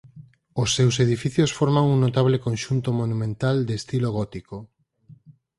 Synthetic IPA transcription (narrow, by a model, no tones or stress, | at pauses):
osːewseð̞ifiθjosfɔɾmaŋuŋnot̪aβ̞lekõnʃunt̪omonumẽnt̪ald̪est̪iloɣ̞ɔt̪iko